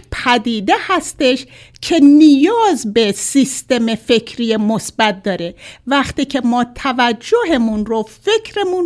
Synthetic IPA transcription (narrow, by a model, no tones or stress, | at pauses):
pʰæd̪iːd̪e̞hæst̪e̞ʃ | kʰe̞nijɒːzbe̞sist̪e̞me̞fe̞kʰɾijemosbæt̪̚d̪ɒːɾevæχt̪iːcʰe̞mɒːt̪ʰævæd͡ʒːoɦe̞munɾofe̞kʰɾemun